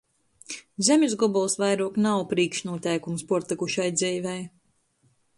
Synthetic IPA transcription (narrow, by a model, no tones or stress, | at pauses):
zʲemʲizɡɔbɔlˠsvajɾuɔknawpɾiːkʃnuɔt̪ʲɛjkumspuɔɾt̪ikuʃajd̪ziːvɛj